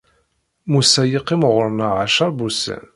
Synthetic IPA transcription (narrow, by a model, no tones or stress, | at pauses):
musæjiqːimʁəɾˤnəʁaʃɑɾˤbusæ̰n